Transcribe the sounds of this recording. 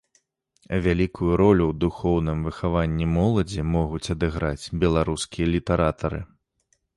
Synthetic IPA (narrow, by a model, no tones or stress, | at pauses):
vʲalʲikʰujuɾɔlʲuwd̪uxɔwn̪ɨmvɨxavanʲːimɔlˠɐd͡zʲimɔɣut͡sʲɐd̪ɨɣɾat͡sʲbʲɛlˠaɾuskʲijɐlʲit̪ɛɾat̪ɐɾɨ̰